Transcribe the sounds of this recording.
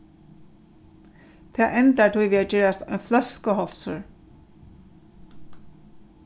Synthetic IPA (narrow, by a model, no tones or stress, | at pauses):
t̪ʰɛːʔɛnt̪aɹt̪ʰʊjʋiːat͡ʃɛːɹast̪ɔjnflœskəɦɔlsʊ̰ɹ